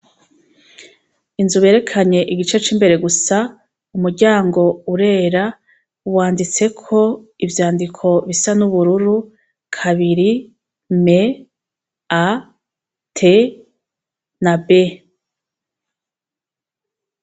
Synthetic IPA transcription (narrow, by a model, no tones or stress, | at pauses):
inzuβe̞ːɾe̞kʰaɲe̞ʔiɡit͡ʃe̞t͡ʃiːmbe̞ɾe̞ɡusa | umuɾɟaːŋɡo̞uɾe̞ːɾa | waːndit͡se̞kʰo̞ivjaːndikʰo̞βisanuβuɾuɾu | kʰaβiɾi | me̞ | a | tʰe | nabe̞